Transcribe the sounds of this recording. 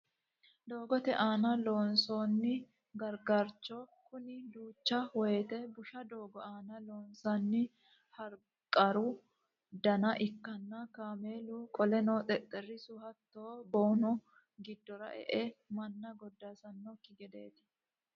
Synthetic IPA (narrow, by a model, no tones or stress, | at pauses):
d̪oːɡɔt̪ɛʔaːnɐlo̞ːnsoːnːɪ | ɡɐɾɡaːɾt͡ʃːoːkʊnɪd̪uːt͡ʃːɐwɔjɛt̪ɛbʊʃɐd̪o̞ːɡɔaːnɐloːnsaːnːɪ | hɐɾ | kʼɐɾʊ | d̪ɐnɐʔɪkːɐnːɐkaːmeːluːkʼɔlɛnoːt̪ʼɛt̪ʼːɛrːɪsʊhɐt̪ːoːboːnɔ | ɡɪd̪ːɔɾɐ̰ʔɛ̰ʔɛmɐnːɐɡɔd̪ːaːsɐnːɔkːɪɡɛd̪e̞ːt̪ɪ̥